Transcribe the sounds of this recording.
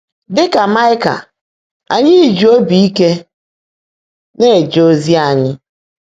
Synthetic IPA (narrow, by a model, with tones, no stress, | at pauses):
dɪ˦ka˨ma˦ɪ˦ka̰˨ | a̰˨ɲɪ˦˨d͡ʒu˨o˦bi˨i˦ke˦ | ne˦˨d͡ʒo˦zi˦a˨ɲɪ˦